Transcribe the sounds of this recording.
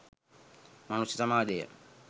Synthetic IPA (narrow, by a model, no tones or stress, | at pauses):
manusjɐsamaːd̪ejə̰